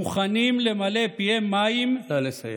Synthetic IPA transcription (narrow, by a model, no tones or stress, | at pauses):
uχanimlemalepiemːajimles